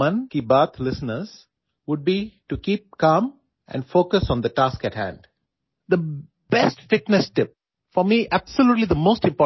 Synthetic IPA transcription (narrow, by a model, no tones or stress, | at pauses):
ʌ̃nkibəːt̪ʰlɪsənəɾz̥ | ʋʊɖ̚biʈukiːp̚kaːm | ʔɛ̰̃ɳɖfoːkəsɔ̃nd̪əʈaːskæʈhæ̰̃ɳɖ | d̪ə | b̥ɛsʈfɪʈnɛsʈɪp̚ | fɔɾmiʔæb̥səljuːʈlid̪əmoːsʈɪ̃mpɔ